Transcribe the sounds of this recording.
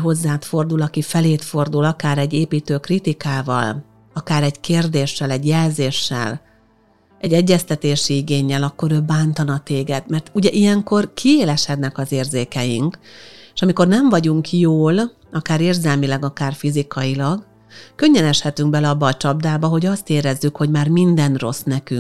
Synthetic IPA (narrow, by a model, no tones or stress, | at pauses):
ɦo̞zːaːt̪fo̞rd̪ulɒkifɛleːt̪fo̞rd̪ulɒkaːɾɛɟːeːpiːt̪øːkrit̪ikaːvɒ̰l | ɒkaːɾɛɟkeːrd̪eːʃːɛlɛɟjɛlzeːʃːɛ̰l | ɛɟːɛɟːɛst̪ɛt̪eːʃiiɡeːɲːɛlɒkːo̞ɾøːbaːnt̪ɒnɒt̪eːɡɛd̪mɛrt̪uɟɛʔijɛŋko̞rkʰieːlɛʃhɛt̪nɛkɒzeːrzeːkɛjiŋkeʃɒmiko̞rnɛɱvɒɟuŋkjoːl | ɒkaːɾeːrzɛlmilɛɡɒkaːrfizikɒjilɒɡ | kø̞ɲːɛnɛʃhɛt̪yŋɡ̚bɛlɛɒbːɒːt͡ʃɒb̚d̪aːbɒɦo̞ɟɒst̪eːɾɛzːykho̞ɟmaːrmind̪ɛnro̞̰snɛkyŋ